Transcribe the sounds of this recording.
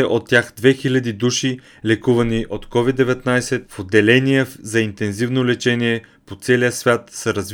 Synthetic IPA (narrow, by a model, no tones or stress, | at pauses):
ɛʔot̪ːʲjaxd̪vɛxilʲɐd̪id̪uʃi | lɛkuvɐniʔot̪kɔvid̪ːɛvɛt̪najsɛt̪fod̪ːɛlɛnijɛzɐint̪ɛnzivnolɛt͡ʃɛniɛpot̪sɛlijəsvʲjat̪səɾɐzv